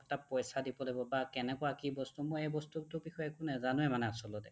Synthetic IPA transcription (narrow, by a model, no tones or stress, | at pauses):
ɛtapɔjsadipɔlebɔbakɛnɛkɔwakibɔstumɔjejbɔstuk̚tʊbixɔjɛkʊnɛzanuɛmanɛasɔlɔtɛ